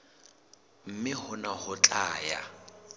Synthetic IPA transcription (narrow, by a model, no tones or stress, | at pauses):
m̩mɪhʊnahʊt͡ɬʼaːja̰